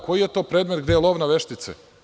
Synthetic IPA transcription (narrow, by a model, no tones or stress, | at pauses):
ko̞jijet̪o̞ːpɾe̞ːd̪met̪ɡd̪ejelˠoʋnaʋeʃt̪it̪sḛ